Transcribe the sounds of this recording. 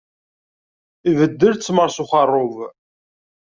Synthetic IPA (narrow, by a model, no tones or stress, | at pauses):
ivəd̪ːəɾt͡sːməɾˤsʊχɑrˤːov